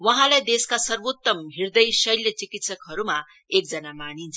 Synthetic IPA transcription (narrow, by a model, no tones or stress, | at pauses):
wʌɦãlajd̪eskasʌrbot̪ːʌmɦiɾd̪ʌjsʌjlːet͡sikit̪sʌkɦʌɾuma | ek̚d͡zʌnamanint͡sʰʌ